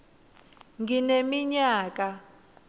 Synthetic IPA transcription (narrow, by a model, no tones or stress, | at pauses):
ŋɡinemiɲaːk̬ʼa